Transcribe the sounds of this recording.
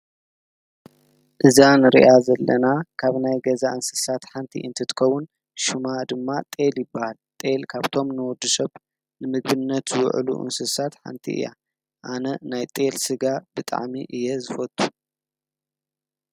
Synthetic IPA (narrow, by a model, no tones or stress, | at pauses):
ʔɨzanɨɾḭʔazɐlːɐnakʰaβnajɡɐzaʔɨnsɨ̥sat̪ħant̪ʰḭʔɨnt̪ʰɨt̪ʰɨ̥kɐwːun | ʃumad̪ɨmːat̪ʼe̞ljɪbːahalt̪ʼe̞lkʰaβt̪ʰo̞mnɨwɔd̪ːusɐβ | nɨmɨɡ̚bɨnːɐt̪zɨw̰ʕʔlṵʔɨ̰nsɨsat̪ħa̰nt̪ʰḭʔɨ̰ja̰ | ʔanɐnajt̪ʼe̞lsɨɡab̥ɨt̪ʼa̰ʕmiʔɨjːɛzɨfɐt̪ʼːu